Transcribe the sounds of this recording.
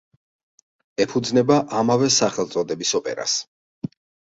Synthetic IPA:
ɛpʰud̪znɛbaʔamavɛsaχɛlt̪sʼɔd̪ɛbisɔpʼɛ̰ɾa̰s

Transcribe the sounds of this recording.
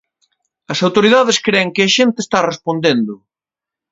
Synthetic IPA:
ɐsawt̪oɾiðaðeskɾeːŋkɪɐʃent̪ɪːst̪arespond̪end̪ʊ

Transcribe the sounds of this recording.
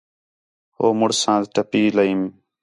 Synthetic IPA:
ɦoːmʊɽsãːzʈəpiːləiːm

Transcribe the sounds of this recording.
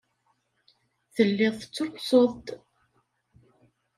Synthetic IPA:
θəlːɪðˤθə̥t͡sːɾsoðˤt̪

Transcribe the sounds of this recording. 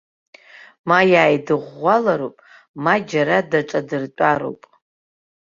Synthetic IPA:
majaːjdɨʁʷːalaɾopʼ | mad͡ʒaɾadaʈ͡ʂʼadɨrt͡pʷʼaɾo̰pʼ

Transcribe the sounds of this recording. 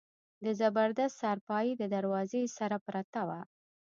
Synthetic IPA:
d̪əzabəɾd̪ast̪sɑɾpɑjed̪əd̪aɾwɑzesaɾapɾat̪awa

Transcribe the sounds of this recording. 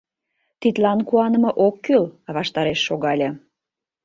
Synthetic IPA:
t̪it̪lɑnkuɑnə̆mɤ̆ʔokːylɑβɑʃt̪ɑɾeʃːoɣɑlʲɤ

